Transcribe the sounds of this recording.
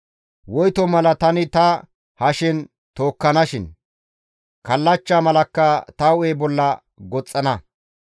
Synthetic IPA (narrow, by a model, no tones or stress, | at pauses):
wɔjt̪ɔmɐlɐt̪ɐnɪt̪ɐ | hɐʃɪn | t̪o̞ːkːɐnɐʃɪn | kɐlːɐt͡ʃːaːmɐlɐkːɐt̪ɐʊejbɔlːɐ | ɡɔt͡sʼːɐnɐ